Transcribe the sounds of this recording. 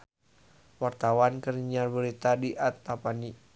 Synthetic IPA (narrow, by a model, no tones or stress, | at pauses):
wart̪awankərɲarbəɾit̪adiʔat̪ːapani